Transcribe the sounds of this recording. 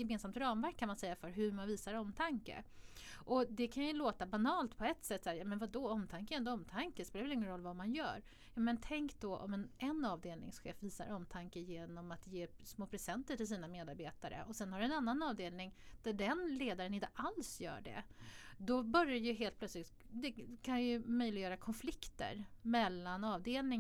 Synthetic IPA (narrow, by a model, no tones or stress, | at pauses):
jɛmeːnsamt̪ɾɑːmvæɾkʰːanmansɛjːafœɾɦɵɾmanviːsaɾɔmt̪ʰaŋkə̰ʔɔd̪ɛkʰanjɵloːt̪abanɑːlt̪pʰɔɛt̪sɛt̪ːsaːɾjɑːmɛnvad̪ɔɔmt̪ʰaŋkəɛnd̪ɔɔmt̪ʰaŋkəspeːlaɾvɛlɪŋːənɾɔlːvamanjœ̰ːɾ | jɑːmɛnt̪ʰɛŋkd̪̥ɔʔɔ̰mɛnɛnːɑːvd̪eːlnɪ̰ŋsɧḛːfviːsa̰ɾɔmt̪ʰaŋkəjeːnɔmat̪jeːsmoːpʰɾɛsɛnt̪əʈɪls̬iːnameːd̪aɾbeːt̪aɾə̰ʔɔsɛnhaɖɛnanːanɑːvd̪eːlnɪŋd̪̥æɖɛnleːd̪aɾənɪnt̪əʔalsjœ̰ːɖɛ̰d̪ɔbœɾjajɵɦeːlt̪pʰlœt̪slɪt̪d̪ɛkʰanjɵmœʏlɪɡəjœːɾakʰɔnflɪkt̪ə̰ɾmɛlːanɑːvd̪eːlnɪ